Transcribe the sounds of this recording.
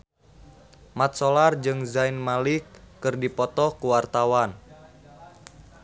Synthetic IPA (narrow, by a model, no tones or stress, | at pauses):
mat̪̚sɔlard͡ʒɨŋzainmalikːɨrdipɔt̪ɔkuwart̪awan